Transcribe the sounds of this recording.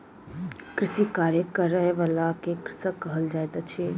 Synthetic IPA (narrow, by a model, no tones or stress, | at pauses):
kɾɪsikaːɾjəkəɾəeʋalakekɾɪsəkəɦəld͡ʒaet̪at͡ʃʰie